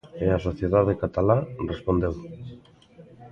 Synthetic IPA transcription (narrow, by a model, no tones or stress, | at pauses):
easoθjeðaðekat̪alarespond̪ew